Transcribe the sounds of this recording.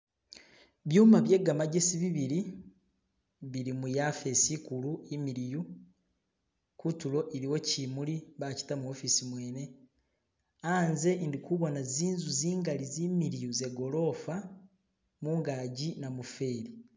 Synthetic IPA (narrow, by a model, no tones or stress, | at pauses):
βjuːmaβje̞ɡamaɟesiβiβiɾi | βiɾimujafe̞sikuluimiɾiju | kutulo̞ʔiɾiwo̞cimuliβaci̥tamuofisimwe̞ːne̞ | aːnze̞ndikuβo̞naziːnzuziːŋɡalizimiɾijuze̞ɡo̞lo̞fa | muŋɡaɟinamufe̞ɾi